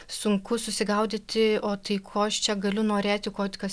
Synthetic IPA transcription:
sʊŋkʊsʊsʲɪɡɐʊd̪ʲɪt̪ʲɪoːt̪ɐɪkʰoːɐʃt͡ʃʲɛɡɐlʲʊnoːɾʲeːt̪ʲɪkoːt̪ʲkɐs

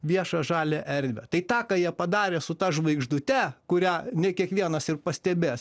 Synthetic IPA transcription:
ʋʲiɛʃɑʒɑːlʲɛʔɛɾʲd̪ʲʋʲɛt̪ɐɪt̪ɑːkɑːjiɛpɐd̪ɑːɾʲeːsʊt̪ɐʒʋɐɪɡʒd̪ʊt̪ʲɛkʊɾʲænʲɛkʲiɛkʋʲiɛnɐsɪrpɐsʲt̪ʲɛbʲeːs

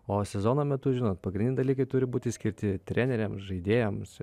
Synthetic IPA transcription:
oːsʲɛzoːnoːmʲɛt̪ʊʒʲɪnoːt̪pɐɡɾʲɪnʲɪɪd̪ɐlʲikɐɪt̪ʊɾʲɪbuːt̪ʲɪsʲkʲɪɾʲt̪ʲɪt̪ʲɾʲʔænʲɛɾʲɛmsʒɐɪd̪ʲeːjɛms

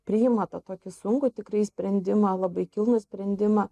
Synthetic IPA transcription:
pʲɾʲɪɪmɐt̪ɐt̪oːkʲɪsʊŋkʊt̪ʲɪkɾɐɪsʲpʲɾʲɛnʲd̪ʲɪmɐlˠɐbɐɪkʲɪlˠnʊsʲpʲɾʲɛnʲd̪ʲɪmɐ

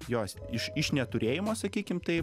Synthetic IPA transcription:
joːsɪʃɪʃnʲɛt̪ʊɾʲeːjɪmoːsɐkʲiːkʲɪmt̪ɐɪ

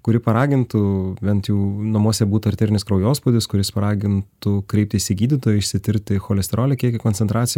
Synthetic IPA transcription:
kʊɾʲɪpɐɾɑːɡʲɪnt̪ʊbʲɛnt̪juːnɐmuɔsʲɛbuːt̪ʊɐɾʲt̪ʲeːɾʲɪnʲɪskɾɐʊjoːspʊd̪ʲɪskʊɾʲɪspɐɾɑːɡʲɪnt̪ʊkɾʲɛˑɪp̚t̪ʲɪʃsʲɪɡʲiːd̪ʲit̪oːjʊɪʃʲsʲɪt̪ʲɪɾʲkt̪ʲɪxoːlʲɛsʲt̪ʲɛɾoːlʲɛkʲiɛkʲɪkonʲsʲɛnt̪ɾɑːt̪sʲɪj

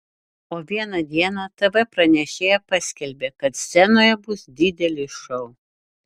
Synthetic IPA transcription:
oːʋʲiɛnɐd̪ʲiɛnɑt̪ɛʋɛpɾɐnʲɛʃʲeːjɛpɑsʲkʲɛlʲbʲeːkɐt̪sʲsʲɛnoːjɛbʊsd̪ʲɪd̪ʲɛlʲɪʃɔʊ

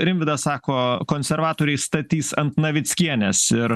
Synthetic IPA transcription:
ɾʲɪmʲʋʲɪd̪ɐssɑːkoːkoːnʲsʲɛɾʋɑːt̪oːɾʲɛɪst̪ɐt̪ʲiːsɐnt̪nɐʋʲɪt̪sʲkʲiɛnʲɛsɪɾ

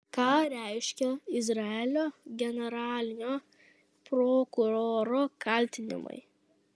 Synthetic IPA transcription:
kɑːɾʲɛɪʃʲkʲɛɪzɾɐɛlʲoːɡʲɛnʲɛɾɑːlʲɪnʲoː | pɾoːkʊɾoːɾoːkɐˑlʲt̪ʲɪnʲɪ̰mɐ̰ɪ

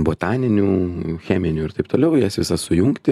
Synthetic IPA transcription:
boːt̪ɑːnʲɪnʲuːxʲæːmʲɪnʲuːɪɾt̪ɐɪpt̪oːlʲɛʊjisʋʲɪsɐsʊjʊŋkt̪ʲɪ

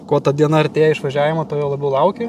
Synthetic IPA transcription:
koɔt̪ɐd̪ʲiɛnɐɐɾʲt̪ʲeːjɛɪʃʋɐʒʲæːʋʲɪmɐt̪oːjolˠɐbʲɛʊlˠɐʊkʲeː

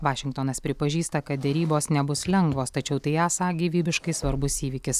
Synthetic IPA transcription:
ʋɑːʃʲɪŋkt̪oːnɐspʲɾʲɪpɐʒʲiːst̪ɐkɐt̪̚d̪ʲɛɾʲiːboːsnʲɛbʊslʲɛŋɡʋoːst̪ɐt͡ʃʲɛʊt̪ɐɪaːsɑɡʲiːʋʲiːbʲɪʃkɐɪsʋɐɾbʊsiːʋʲiːkʲɪs

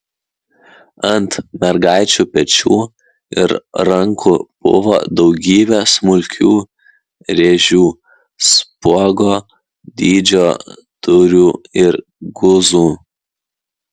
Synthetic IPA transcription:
ɐnt̪mʲɛɾɡɑˑɪt͡ʃʲuːpʲɛt͡ʃʲuː | ɪɾɾɐŋkʰʊb̥ʊ̰ʋoːd̪ɒʊɡʲiːbʲɛsmʊlʲkʲuː | ɾʲeʒʲuː | spuɔɡoː | d̪ʲiːd͡ʒʲoː | t̪ʊɾʲuːɪɾ | ɡʊzuː

